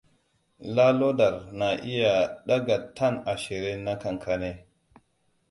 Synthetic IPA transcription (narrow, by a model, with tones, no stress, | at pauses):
la˦lo˦da˨ɾna˨ʔi˦ja˨ɗa˦ɡa˨tːa˦˨na˨ʃi˨ɾe˦na˦ka˨ŋkʰa˨ne˦